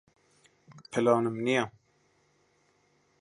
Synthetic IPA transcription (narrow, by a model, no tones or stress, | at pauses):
pʰɨlɑːnɨmnijɑ